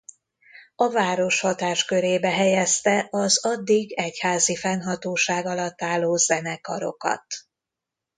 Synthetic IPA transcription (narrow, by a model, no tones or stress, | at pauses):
ɒvaːɾo̞ʃhɒt̪aːʃkøɾeːbɛɦɛjɛst̪ɛʔɒzɒd̪ːiɡɛchaːzifɛnɦɒt̪oːʃaːɡɒlɒt̪ːaːlːoːzɛnɛkɒɾo̞̰kɒ̰t̪